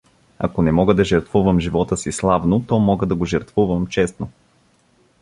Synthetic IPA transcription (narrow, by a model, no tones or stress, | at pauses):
ɐ̰konɛmɔɡəd̪ɐʒəɾt̪vuvəmʒivɔt̪əsislˠavnot̪ɔmɔɡəd̪ɐɡoʒɛɾt̪vuvəmt͡ʃɛst̪no